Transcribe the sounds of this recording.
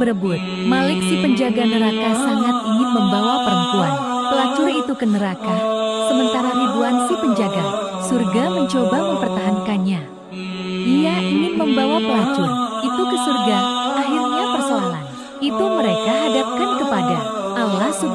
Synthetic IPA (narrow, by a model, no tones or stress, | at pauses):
bəɾəbʊt̪̚malɪksipəɲd͡ʒaɡanəɾakasaŋat̪̚iŋɪnməmbawapəɾənp̪uan | pəlat͡ʃuɾit̪ukənəɾakasəmənt̪aɾaɾibuansipəɲd͡ʒaɡa | surɡaməɲt͡ʃobaməmpərt̪aɦankanɲa | diaʔiŋɪnməmbawapəlat͡ʃʊrit̪ukəsurɡaaɦirɲapərsoaɦa̰n | it̪uməɾekaɦadap̚kankəpadaʔalahsu